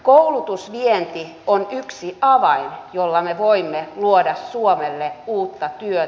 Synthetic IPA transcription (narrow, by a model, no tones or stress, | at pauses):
koulut̪usʋient̪i | onyksiʔɑʋɑinjolːɑmeʋoimːeluodɑssuomelːeuːt̪ːɑt̪yø